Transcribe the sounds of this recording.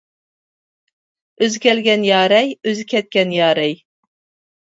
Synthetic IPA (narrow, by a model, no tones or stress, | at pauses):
øzkʲʰɛlɡʲɛnjɑːɾɛjøzkʲɛt̪̚kʲɛnjɑːɾɛj